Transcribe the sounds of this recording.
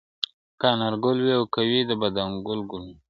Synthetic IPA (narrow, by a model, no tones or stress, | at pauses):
kɑnaɾɡʊlwiawkawid̪əbad̪aŋɡʊlɡʊlwi